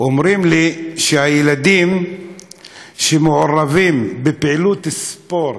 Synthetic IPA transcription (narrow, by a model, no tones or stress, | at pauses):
ʔomɾimliʃehajelad̪im | ʃemeʕoɾavimbepeʕilut̪spo̞ɾ